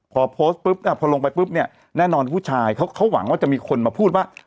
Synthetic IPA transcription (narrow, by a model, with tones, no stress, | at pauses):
pʰɔː˧pʰoː˦˥st̪̚pɯ˦˥p̚naː˥˩pʰɔː˧lo˧ŋpa˧jpɯ˦˥p̚ni˥˩ɐ | nɛː˥˩nɔː˧npʰuː˥˩t͡ɕʰaː˧jkʰa˦˥wkʰa˦˥wwa̰˩˦ŋwaː˥˩t͡ɕa˨ʔmiː˧kʰo˧nmaː˧pʰuː˥˩t̪̚waː˥˩